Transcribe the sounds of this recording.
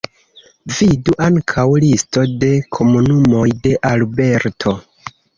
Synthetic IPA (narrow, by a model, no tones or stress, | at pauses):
viduʔaŋkʰawlisto̞de̞kʰo̞munumo̞jde̞ʔalbe̞ɾtʰo̞